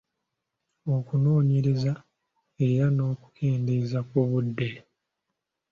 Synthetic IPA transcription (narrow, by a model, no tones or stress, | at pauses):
o̞kunoːɲeɾeza | e̞ɾano̞ːku̥kʰe̞ːndezakuβudːe̞